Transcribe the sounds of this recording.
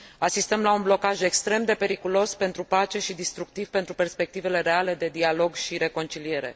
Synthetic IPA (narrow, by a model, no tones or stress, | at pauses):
asist̪əmlaunblo̞kaʒe̞kst̪ɾe̞md̪e̞pe̞ɾikulo̞spe̞nt̪ɾupat͡ʃe̞ʃid̪ist̪ɾuk̚t̪ivpe̞nt̪ɾuperspe̞k̚t̪ive̞le̞ɾe̞ale̞d̪e̞d̪ialo̞ɡʃiɾe̞ko̞nt͡ʃilie̞ɾe̞̰